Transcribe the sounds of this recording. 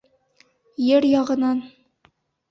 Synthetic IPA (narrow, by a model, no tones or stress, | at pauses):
jɘɾjɑʁɤ̆nɑn